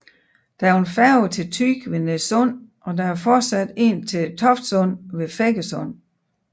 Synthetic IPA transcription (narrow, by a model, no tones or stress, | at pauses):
d̥ææɐenfæɐʊt͡sʰe̝lt͡sʰyɡ̥ʋe̝nesɔn̰ʔɒ̽d̥ææɐfɒːd̥sæd̥e̝ːnt͡sʰe̝lt͡sʰɒ̽fd̥sɔ̽n̰ʋe̝feɡ̥əsɔ̽n̰